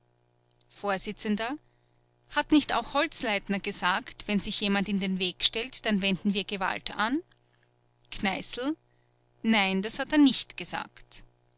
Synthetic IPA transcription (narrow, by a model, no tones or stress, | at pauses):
foːɐzɪt͡səndɐ | hatnɪçta̰ʊxhɔlt͡slaɪtnɐɡəzaːktv̥ɛnz̥ɪçjeːmantɪndenveːkʃtɛltd̥anvɛndn̩viːɐɡeva̰ltan | kʰnaɪsl̩ | naɪndashateːɐnɪçtɡ̥əza̰ːkt